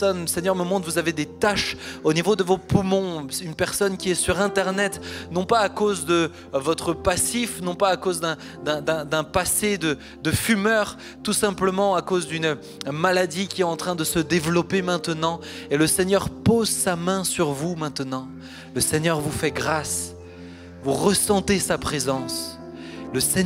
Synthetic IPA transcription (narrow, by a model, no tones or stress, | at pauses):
ɔnləsɛɲjœʁməmɔ̃t̪χvuzaved̪et̪aʃonivod̪əvopumɔ̃ynpɛʁsɔnkʲiɛsyʁɛ̃t̪ɛʁnɛt̪nɔ̃paːkozd̪ə | vɔt̪χəpasifnɔ̃paːkozd̪ɛ̃ | d̪ɛ̃d̪ɛ̃d̪ɛ̃pased̪ə | d̪əfymœʁ | t̪usɛ̃pləmɑ̃akozd̪yn | malad̪ikʲiɛt̪ɑ̃t̪χɛ̃d̪əsəd̪evlɔpemɛ̃t̪ənɑ̃ | eləsɛɲœʁpozsamɛ̃syʁvumɛ̃t̪ənɑ̃ | ləsɛɲœʁvufɛɡʁas | vuʁəsɑ̃t̪esapχezɑ̃s | ləsɛ